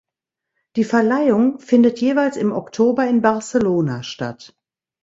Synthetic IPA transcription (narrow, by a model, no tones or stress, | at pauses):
d̥iːfɛɐlaɪʊŋfɪndətʰjeːvaɪlsɪmɔktʰoːbɐɪnbaɐseloːnaʃta̰t